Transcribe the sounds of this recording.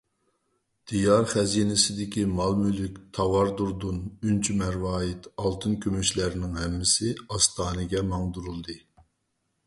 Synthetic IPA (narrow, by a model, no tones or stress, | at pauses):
d̪̥ijɑɾχɛziːnɪsɪd̪ɪkʲimɑlˠmylykʲt̪ʰɑwɑɾd̪uɾd̪unynt͡ʃʰymæɾwɑːjɪt̪ʰɑlˠt̪ʰɨnkʲʰømyʃlæɾɪnɪŋɦɛmːɪsɪɑst̪ʰɑːnɨɡʲɛmɑŋd̪uɾulˠd̪ɨ